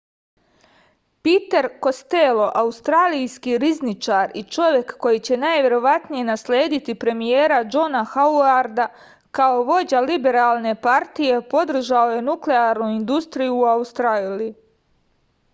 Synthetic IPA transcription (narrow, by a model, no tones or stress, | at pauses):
pit̪eɾko̞st̪elo̞ʔaust̪ɾaːlijskiɾiznit͡ʃaːɾit͡ʃo̞ʋje̞kːo̞jit͡ɕe̞naːjʋʲje̞ɾo̞ʋat̪nije̞naslʲeːd̪it̪ipɾe̞mijeːɾad͡ʒo̞naxauaɾd̪a | kao̞ʋo̞d͡ʑalibe̞ɾaːlˠne̞paɾt̪ije̞po̞d̪r̩ʒao̞je̞nukleaːɾnuind̪ust̪ɾijuːaust̪ɾali